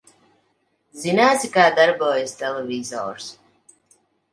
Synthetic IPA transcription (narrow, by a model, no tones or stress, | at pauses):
zinaːt̪sikaːd̪aɾbɔːjasʲt̪ɛlevizɔ̰ːɾs